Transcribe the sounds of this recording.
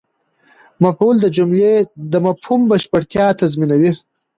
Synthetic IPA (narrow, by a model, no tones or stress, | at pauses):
mapuld̪əd͡ʒʊmled̪əmapʰhumbaʃpaɽt̪jɑt̪azminawi